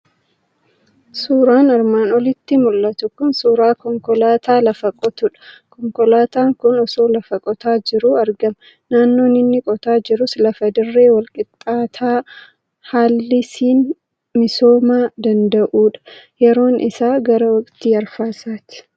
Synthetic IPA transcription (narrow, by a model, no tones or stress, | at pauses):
suːɾaːnɐɾmaːnɔlɪt̪ːɪmʊlːɐt̪ʊkʊnsuːɾaːkɔŋkɔlaːt̪aːlɐfɐkʼɔt̪ʊᶑɐ̥kɔŋkɔlaːt̪aːŋkʊnɔsoːlɐfɐkʼɔt̪aːd͡ʒɪɾuɐɾɡɐmɐ | naːnːo̞ːnɪnːɪkʼɔt̪aːd͡ʒɪɾʊslɐfɐd̪ɪrːe̞ːwɐlkʼɪt̪ʼːaːt̪ʰaː | haːlːɪsiːn | mɪso̞ːmaːd̪ɐnd̪ɐʔuːᶑɐ̥jɛɾo̞ːnʔɪ̰saːɡɐɾɐwɐkʼt̪iːɐɾfaːsaːt̪ɪ̥